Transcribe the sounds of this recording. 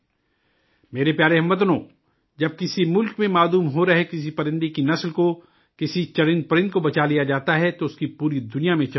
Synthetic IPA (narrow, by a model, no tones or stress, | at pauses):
meːɾepjaːɾeɦɐmʋɐt̪̬nõː | d͡ʒɐb̚kɪsimʊlkmẽmaːluːmɦoɾɐɦekɪs̬ipɐɾɪ̃nd̪ikinɐslko | kɪsit͡ʃɐɾɪ̃nd̪̚pɐɾɪ̃nd̪̚kobɐt͡ʃalijad͡ʒaːt̪aɦɛt̪oʊskipuːɾid̪ʊnijamẽt͡ʃɐ